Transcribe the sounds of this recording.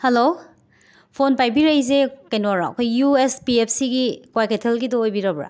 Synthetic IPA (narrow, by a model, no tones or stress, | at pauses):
helo | pʰonpajbiɾajzekejnwaɾa̰ɐ̰kʰojjuespiepʰsiɡikwajketʰelɡidɔojbiɾabɾa̰